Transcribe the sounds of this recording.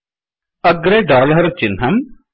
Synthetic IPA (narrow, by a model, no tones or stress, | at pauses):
əɡɾeːɖaːləɾt͡ʃɪnɦɐm